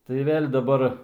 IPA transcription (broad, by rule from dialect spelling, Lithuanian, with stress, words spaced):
tɐɪ ˈʋʲeːlʲ dɐˈbɐr